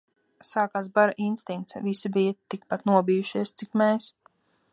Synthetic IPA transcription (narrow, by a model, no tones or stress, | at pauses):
saːkaːsbaɾaʔinst̪iŋk̚t̪svisibijət̪ik̚pat̪nuɔbijuʃiɛst̪sikmɛːs